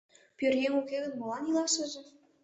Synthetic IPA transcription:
pʲørjeŋukeɣə̆nmɤ̆lɑnilɑʃə̆ʒĕ

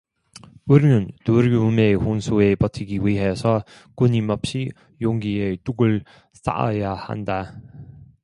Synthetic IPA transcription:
uɾinɯntuɾiume̞honsʰue̞pʌtʰɯɡiwiɦe̞sʰʌ | kuɲimʌp̚ɕ͈i | joŋɡiet͈uɡɯɭ | s͈a̰jaha̰nda

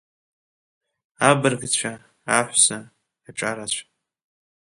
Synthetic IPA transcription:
abɨrɡt͡ɕʷʰa | aħʷsaː | ʈ͡ʂʼaɾat͡ɕʷʰa

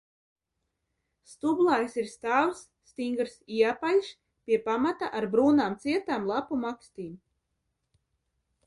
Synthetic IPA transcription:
st̪ublˠajsiɾst̪aːwsːt̪iŋɡɾsiapalʲʃ | pʲiɛpamat̪aʔaɾbɾuːnaːmt̪siɛt̪aːmlˠapumakst̪iːm

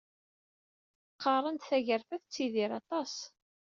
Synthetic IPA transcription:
qːɑrˤənd̪θæʝəɾfæθt͡sːiðiɾɑt̪ˤɑs

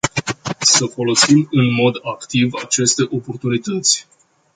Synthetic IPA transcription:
səfo̞lo̞simɨnmo̞d̪akt̪ivat͡ʃe̞st̪e̞ʔo̞po̞rt̪unit̪ət̪sʲ

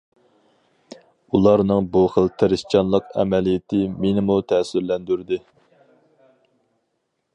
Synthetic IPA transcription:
ulˠɑɾnɨŋbuχəlt̪ʰeɾɨst͡ʃʰɑnlˠəqɛ̰mɛlijɪt̪ʰɪmenɪmut̪ʰɛsyɾlɛnd̪yɾd̪ɪ

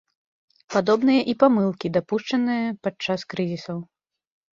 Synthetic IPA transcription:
pad̪ɔbnɨjɐʔipamɨlˠkʲid̪apuʂt͡ʂɐnɨjɐpat͡ʂːaskɾɨzʲisɐw

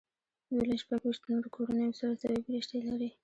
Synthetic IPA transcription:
jolaʃpaɡwiʃt̪noɾkʰoɽanəjosaɾazawebɾiʃʈ̪elaɾi

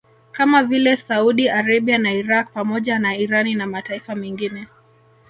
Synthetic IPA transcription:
kamavilɛsauɗiaɾaɓianaiɾak̚pamɔʄanaiɾaninamataifamɛŋɡinɛ

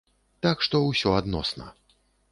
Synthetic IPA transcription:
t̪akʂt̪ɔwsʲɔad̪nɔ̰snɐ̰

